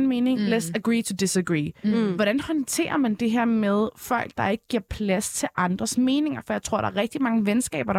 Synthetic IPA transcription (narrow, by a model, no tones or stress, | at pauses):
nme̝ːne̝ŋlɛd̥səɡ̥ɹiːt͡sʰud̥isəɡ̥ʁḭːʋɒɾ̥ænhɒ̽nt͡sʰe̝̰ːɐmænd̥e̝ɦæɐ̰með̞ˠfɒ̽l̰ɡ̥̚d̥ɑ̈e̝ɡ̥əɡ̥iɐ̰pʰlæst͡sʰe̝ʔɑ̈nd̥ʁɐsme̝ːne̝ŋɐfɒjɑ̈ɪt͡sʰʁo̝ɐ̰ɾɑ̈æɐʁɛɡ̥̚d̥imɑ̈ŋəʋensɡ̥ɛ̰ːb̥ɐɾ